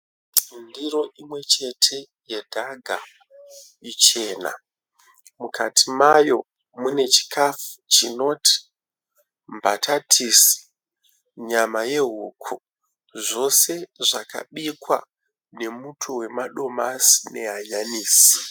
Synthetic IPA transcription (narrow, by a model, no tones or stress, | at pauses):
ndiro̞ʔimwe̞t͡ʃe̞tʰe̞ | je̞dʱaɡʱa | it͡ʃe̞ːna̰ | mukʰatʰimajo̞ | mune̞t͡ʃi̥kʰafut͡ʃino̞tʰi̥ | mba̰tʰatʰisi̥ | ɲamaje̞ɦuːkʰu | ʐo̞se̞ʐaka̰ɓikwa̰ | ne̞mutʰuwe̞maɗo̞masi̥ne̞ɦaɲaniːsi̥